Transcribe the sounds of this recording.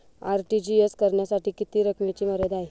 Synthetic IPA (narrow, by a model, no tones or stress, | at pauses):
aɾʈid͡ʑieskəɾɳjasaʈiːkit̪iːɾəkmet͡ɕiːməɾəd̪ae